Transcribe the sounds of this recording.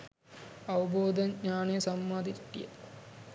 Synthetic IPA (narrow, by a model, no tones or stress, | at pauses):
ɐʋɐboːd̪ʱɐnɲaːneːsɐmːaːd̪ʱiʈːḭjɐ̰